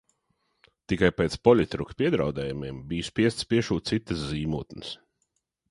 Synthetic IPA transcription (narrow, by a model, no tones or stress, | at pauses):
t̪ikajpɛːt̪spɔlʲit̪ɾukpiɛd̪ɾawd̪ɛːjumiɛmbijspiɛst̪spiɛʃuːt̪t̪sit̪əsziːmuːt̪nəs